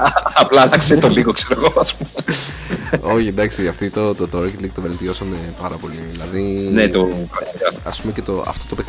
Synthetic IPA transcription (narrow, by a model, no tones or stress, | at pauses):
ɐplɐːnɐkseit̪oliɣokseɾoeɣoɐspume | o̞çind̪ɐksiɐft̪it̪ot̪ot̪oɾocit̪likt̪ove̞lt̪io̞sɐmepɐɾɐpo̞liðilɐðinet̪okɐɐɐ̰spumecet̪oɐ̰ft̪ot̪opek